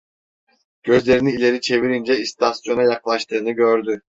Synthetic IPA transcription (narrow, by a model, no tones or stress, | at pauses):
ɟ̥ø̞zlʲe̞ɾiniːlʲe̞ɾit͡ʃʰe̞viɾind͡ʒɛist̪ʰasjo̞najaklˠaʃt̪ʰɯːnɯɟø̞ɾd̪y